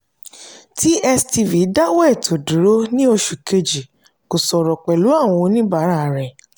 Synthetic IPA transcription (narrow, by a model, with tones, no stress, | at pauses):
ti˦ɛ˧sti˧vi˨˦da˦wɛ˦˨tʰo˨dũ˨˦ɾo˦nĩ˦o˧ʃu˨ke˧d͡ʒi˨ | ko˨sɔ˨ɾɔ˨k͡pɛ˨lu˨˦a˦˨w̃ɔ̃˧o˧nĩ˦ba˨˦ɾa˦˨ɾɛ˨